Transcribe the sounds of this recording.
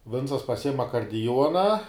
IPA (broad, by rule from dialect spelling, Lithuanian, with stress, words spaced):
ˈʋʲɪnt͡sɐs pɐˈsʲɪjɪm ɐkɐrʲdʲɪˈjuɔnɐ